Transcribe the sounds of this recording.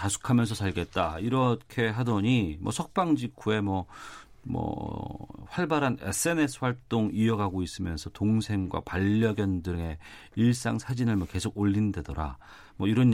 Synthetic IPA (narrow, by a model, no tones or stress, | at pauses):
tasʰu̥kʰamjʌnsʰʌsʰaɭɡe̞t̚t͈aiɾʌkʰe̞ɦadʌɲimʌsʰʌk̚p͈aŋd͡ʑikʰue̞mʌ | mʌ̰ | ɸwaɭbaɾane̞̰sʰɯe̞ne̞sʰɯ̥ɸwaɭt͈oŋiʌɡaɡois͈ɯmjʌnsʰʌtoŋsʰe̞ŋɡwa̰paʎːʌɡjʌndɯŋe̞ | iɭs͈aŋsʰad͡ʑinɯɭmʌke̞sʰoɡoʎːindwe̞dʌɾa̰ | mʌiɾʌn